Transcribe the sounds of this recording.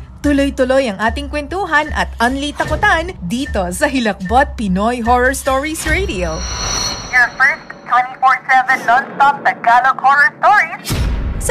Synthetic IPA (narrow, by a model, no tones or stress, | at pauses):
t̪ʊlojt̪ʊlo̞jɐŋʔaːt̪ɪŋkwɛnt̪uːɦɐnʔɐ̰t̪ʔɐnlit̪ɐkʊt̪and̪iːt̪o̞sɐɦɪlɐk̚bot̪̚pɪnojɦoɹɔɹst̪oɹisɹejd̪io | jafɛɹstt̪ʰwɛ̃ntifɔɹsɛvɛ̃nlɔnst̪ɔp̚d̪ɐɡalokhɔɹɔɹst̪ɔɹiss